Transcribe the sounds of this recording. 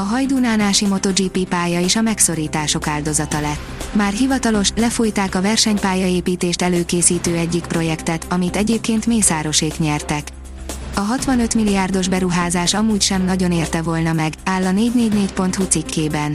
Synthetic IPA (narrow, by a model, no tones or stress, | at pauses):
ɒɦɒjd̪unaːnaːʃimo̞t̪o̞d͡ʒiːpiːpaːjɒeːʃɒmɛkso̞ɾiːt̪aːʃo̞kaːld̪o̞zɒt̪ɒlɛt̪ːmaːrɦivɒt̪ɒlo̞ʃlɛfojt̪aːkɒvɛrʃɛɲpaːjɒeːpiːt̪eːʃt̪ɛløːkeːsiːt̪øːɛɟːikpro̞jɛkt̪ɛt̪ɒmit̪ɛɟeːp̚keːnt̪meːsaːɾo̞ʃeːkɲɛrt̪ɛk | ɒɦɒt̪ʋɒnø̞t̪milːiaːrd̪o̞ʒbɛɾuɦaːzaːʃɒmuːcʃɛmnɒɟo̞neːrt̪ɛvo̞lnɒmɛɡaːlːɒneːɟneːɟneːcpo̞nt̪hut̪sikʰːeːbɛn